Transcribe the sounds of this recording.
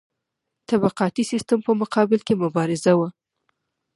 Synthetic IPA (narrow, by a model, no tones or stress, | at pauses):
t̪abaqɑt̪isist̪əmpəmʊqɑbɪlkemʊbɑɾɪzawa